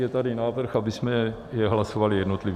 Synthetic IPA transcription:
jɛt̪adɪnaːvr̩xabɪsmɛ | jɛɦlasovalɪjɛdno̞t̪lɪv

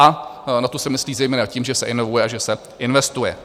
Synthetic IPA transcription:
ʔanat̪osɛmɪsliːzɛjmɛːnaciːmʒɛsɛʔɪnovujɛʔaʒɛsɛ | ʔɪnvɛst̪ujɛ

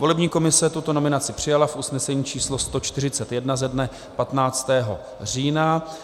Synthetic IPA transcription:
volɛbɲiːko̞mɪsɛt̪ut̪o̞no̞mɪnat͡sɪpr̝̥ɪjalafʔusnɛsɛɲiːt͡ʃiːslo̞st̪o̞t͡ʃt̪ɪr̝ɪt͡sɛt̪jɛdnazɛdnɛ | pat̪naːt͡st̪ɛːɦo̞̰ | r̝iːna

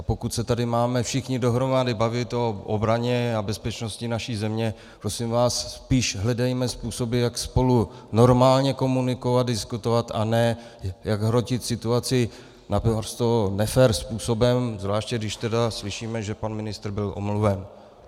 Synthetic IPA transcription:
po̞kut̪sɛt̪adɪmaːmɛfʃɪxɲɪdo̞ɦɾo̞madɪbavɪt̪ʔo̞ʔobɾaɲɛabɛspɛt͡ʃno̞scɪnaʃiːzɛmɲɛ | pɾo̞sɪmvaːsːpiːʃɦlɛdɛjmɛspuːso̞bɪjakspo̞lu | no̞ɾmaːlɲɛko̞munɪko̞vat̪̚dɪskut̪ovat̪a̰nɛː | jaɡɦɾo̞cɪt̪sɪt̪uat͡sɪ | napɾst̪onɛfɛɾspuːso̞bɛmzvlaːʃcɛɡdɪʃt̪ɛdaslɪʃiːmɛʒɛpanmɪnɪst̪ɾbɪlʔo̰mluvɛn

